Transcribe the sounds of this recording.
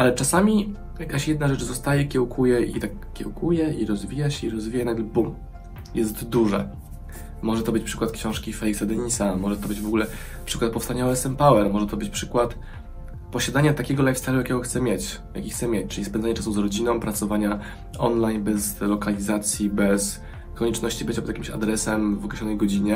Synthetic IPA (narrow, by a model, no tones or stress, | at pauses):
ʔalɛt͡ʂasamʲi | jakaɕjɛd̪naʐɛt͡ʂzɔst̪ajɛkʲɛwkʰujɛʔḭt̪akːʲɛwkʰujɛiɾɔzvʲijaɕɛiɾɔzvʲijanad̪ɛlbum | jɛst̪d̪uʐɛ̰ | mɔʐɛt̪ɔbɘt͡ɕpʂɘ̥kwat̪̚kɕɔ̃w̃ʂkʲifɛjksad̪ɛɲisamɔʐɛt̪ɔbɘd͡ʑvɔɡulɛ | pʂɘkwat̪̚pɔfst̪aɲɔvɛsɛmpawɛɾmɔʐɛt̪ɔbɘt͡ɕpʂɘkwat̪ | pɔɕad̪aɲat̪akʲɛɡɔlajfsaljujakʲɛɡɔxt̪sɛmʲjet͡ɕ | ja̰kʲixt̪sɛmjet͡ɕt͡ʂɘlʲispɛnzaɲɛt͡ʂasuzɾɔd͡ʑinɔ̃w̃pɾat̪sɔvaɲa | ɔnlajnbɛzlɔkalʲizat̪sʲjibɛs | kɔɲɛt͡ʂnɔɕt͡ɕibɘt͡ɕapɔd̪jakʲimɕa̰d̪ɾɛsɛmvɔkɾɛɕlʲɔnɛjɡɔd͡ʑiɲɛ